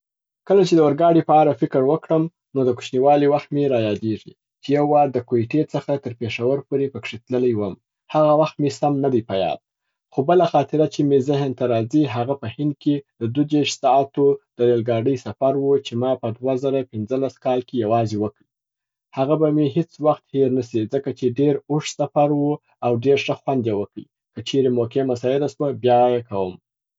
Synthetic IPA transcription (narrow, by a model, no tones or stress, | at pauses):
kəlat͡ʃed̪əwəɾɡɑɽipəaɾafɪkəɾwəkɽəm | nod̪əku̥ʃniwɑliwaxt̪meɾɑjɑd̪eʐḭ | t͡ʃejawːad̪əkoeʈet͡səxat̪əɾpeʂawaɾpoɾepəkʂet̪lələjwəm | haɣawaxt̪mesamnad̪ajpajɑ̰d̪̚ | xobəlaxɑt̪ɪɾat͡ʃemezɪɦnt̪aɾɑziɦaɣapəhɪnd̪̚ked̪əd̪ud͡ʒeʃsɑːt̪od̪̥əɾelɡɑɖəjsafaɾwut͡ʃemɑpəd̪wazaɾapɪnzəlaskɑlkejawɑzewəkɽi | haɣabameɦet͡swaxt̪heɾnasid͡zəkat͡ʃeɖeɾʊʂsafaɾwu | awɖeɾʃəxwand̪jewəkɽḭ | kət͡ʃeɾemokemasɑjɪɾaswəbjɑjekawəm